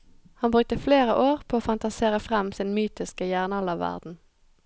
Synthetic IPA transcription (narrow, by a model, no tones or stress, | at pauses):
hɑnbʁʉk̚t̪əfleːʁəʔoːʁpʰoːoːfɑnt̪ɑseːʁəfʁɛmsɪnmyːt̪ɪskəjæːʁnɑlɑʋʋæ̰ʁd̪n̩